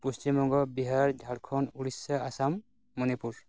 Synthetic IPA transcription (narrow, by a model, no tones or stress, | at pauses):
pust͡ʃimɔɡɔbiɦaɹd͡ʒʱaɽkʰɔnuɹisːaasamː | ɔnipuɹ